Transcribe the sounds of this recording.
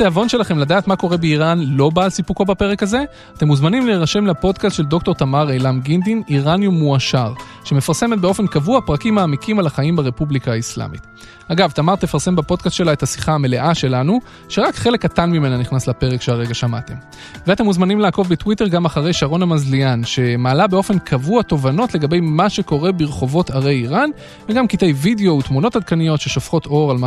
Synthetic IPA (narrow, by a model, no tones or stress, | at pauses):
t̪eavo̞nʃe̞laχe̞mladaːt̪mako̞ʁe̞beiʁanlo̞baːlsipuko̞bape̞ʁe̞kaze̞ | at̪e̞muzmanimleːʁaʃe̞mlapo̞dkast̪ʃe̞ld̪o̞kto̞t̪amaʁejlamɡind̪imiʁanjumːuaʃaʁ | ʃe̞me̞faʁse̞met̪̚beo̞fe̞nkavuapʁakimaːmikimalaχaimbaʁe̞publikaːisla̰mḭt̪ | aɡavt̪amaʁt̪e̞faʁse̞mbapo̞d̪kast̪ʃe̞laet̪hasi̥χaame̞le̞ʔaʃe̞lanu | ʃeʁakχe̞le̞katanmime̞naniχnaslape̞ʁekʃeaʁe̞ɡaʃama̰te̞m | veate̞muzmanimlaːko̞vbetwiteʁɡamaχaʁe̞jʃaʁo̞nhamazlianʃe̞maːlabe̞o̞fe̞nkʰavuato̞vano̞tle̞ɡabe̞jmaʃe̞ko̞ʁe̞biʁχo̞vo̞taʁe̞jiʁan | veɡamkite̞jvideo̞utmuno̞thad̪̚kanijo̞tʃe̞ʃofχo̞to̞ʁalma